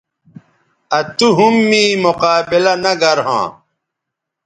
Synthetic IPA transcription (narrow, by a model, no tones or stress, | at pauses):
ɐt̪uɦumːiːmuqaːbilɐnɐɡɐɾɦã̰ː